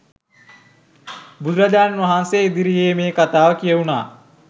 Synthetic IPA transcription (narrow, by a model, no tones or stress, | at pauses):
bud̪ɾad͡ʒaːnnʋɐɦanseːid̪iɾijeːmeːkat̪aːʋəkijɐuna̰ː